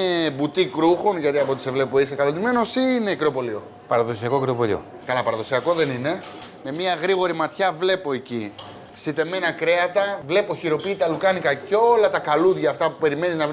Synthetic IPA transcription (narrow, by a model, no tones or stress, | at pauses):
ebut̪ikɾuxo̞nʝɐt̪iɐpo̞t̪isevle̞poisekɐlot̪ime̞no̞sine̞kɾo̞po̞lio̞ | pɐɾɐðo̞siɐkokɾopo̞lḭo̰ | kɐlɐpɐɾɐðo̞siɐko̞ðe̞nine̞me̞mɲiɐɣɾiɣo̞ɾimɐt̪çɐvle̞po̞eci | sit̪e̞me̞nɐkɾe̞ɐt̪ɐvle̞po̞çiɾo̞pit̪ɐlukɐnikɐceo̞lɐt̪ɐkɐluðʝɐːft̪ɐpupe̞ɾime̞niznɐv